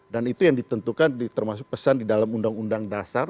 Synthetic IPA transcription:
danit̪ujaŋdit̪ənt̪ukandit̪ərmas̬ʊk̚pəsandidalamundaŋundaŋdasar

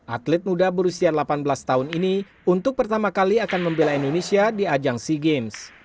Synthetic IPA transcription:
ʔat̪lɛt̪̚mudabəɾusialapanbəlast̪aɦʊnini | unt̪ʊk̚pərt̪amakaliakanməmbelaindonesiadiad͡ʒaŋsiɡɛms

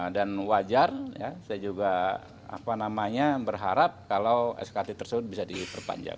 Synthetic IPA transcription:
danwad͡ʒarja̰sajad͡ʒuɡa | a̰panamaɲabərɦaɾap̚kalawɛ̰skat̪it̪ərsəbʊt̪̚bisadipərpa̰ɲd͡ʒa̰ŋ

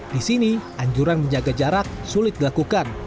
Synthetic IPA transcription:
disiniʔaɲd͡ʒuɾanməɲd͡ʒaɡad͡ʒaɾak̚sulɪt̪̚dilakukan

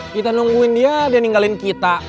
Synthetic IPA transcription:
kit̪anuŋɡuindiadianiŋɡalinkit̪a

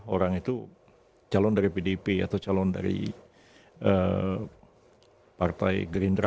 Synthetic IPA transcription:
oɾaŋit̪u | t͡ʃalɔndaɾipedepea̰t̪awt͡ʃalɔnda̰ɾḭ | ə | part̪a̰jɡɾindɾa

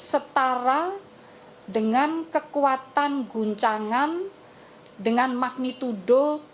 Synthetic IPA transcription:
sət̪aɾa | dəŋankəkuwat̪anɡuɲt͡ʃaŋan | dəŋanmak̚nit̪uɖɔ

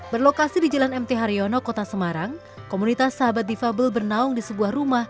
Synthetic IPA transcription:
bərlokasidid͡ʒalanɛmt̪eɦaɾionɔkot̪asəmaɾaŋ | komunit̪asːaɦabat̪̚difabəlbərnaʊŋdisəbuahrumah

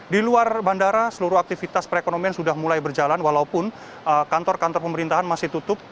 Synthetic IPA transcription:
diluarbandaɾasəluɾʊak̚t̪ifit̪aspəɾekonomiansudahmulajbərd͡ʒalanwalaupʊn | əkant̪ɔrkant̪ɔrpəməɾint̪aɦanmasɪht̪ut̪ʊp̚

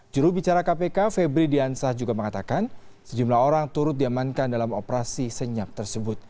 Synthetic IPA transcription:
d͡ʒuɾubit͡ʃaɾakapekafɛbɾidiansahd͡ʒuɡaməŋat̪akansəd͡ʒumlaɦoɾaŋt̪uɾʊt̪̚diamankandalamopəɾasisəɲap̚t̪ərsəbʊt̪̚

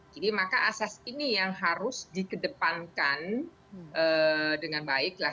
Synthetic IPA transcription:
d͡ʒadimakaʔasasinijaŋɦaɾʊsdikədəpankan | ʔədəŋanbaɪk̚la

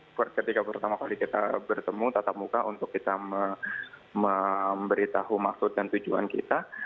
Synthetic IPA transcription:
kɾt̪kət̪ikapərt̪amakalikit̪a̰bərt̪əmut̪at̪ap̚mukaʔunt̪ʊkːit̪amə | məmbəɾit̪aɦumaksʊt̪̚dant̪ud͡ʒua̰nkḭt̪a

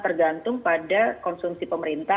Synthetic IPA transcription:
t̪ərɡant̪ʊŋpadakɔnsumsipəməɾint̪a

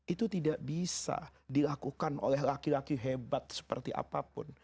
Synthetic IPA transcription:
it̪ut̪idaʔbisa̰dilakukano̰lɛɦlakilakiɦebat̪̚sə̥pərt̪iʔa̰papʊ̰n

